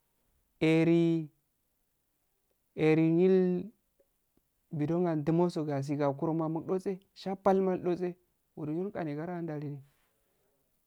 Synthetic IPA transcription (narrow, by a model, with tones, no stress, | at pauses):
e˨ɾi˦ | e˨ɾi˨ɲi˦l | bi˨do˦ŋɡa˨ndi˦mo˦so˨ɡa˨s̬i˨ɡa˨ku˦ɾo˦ma˨mu˦kɗo˦t͡se˦ | ʃa˦pa˦lma˦lɗo˦t͡se˦ | wu˨dɲu˦ka˨ni˨ɡa˦ɾa˦nda˨li˦ni˨